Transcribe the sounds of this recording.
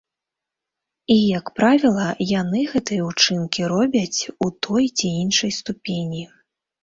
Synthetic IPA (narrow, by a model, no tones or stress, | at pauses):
ijɐkpɾavʲilˠɐjanɨɣɛt̪ɨjɐut͡ʂɨnkʲiɾɔbʲɐt͡sʲut̪ʰɔjt͡sʲiinʂɐjst̪upʲenʲi